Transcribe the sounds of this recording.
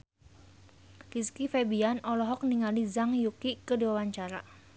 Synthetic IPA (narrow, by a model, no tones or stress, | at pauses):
kiskifebianɔlɔɦɔk̚niŋalizaŋjukikəduwawaɲt͡ʃaɾa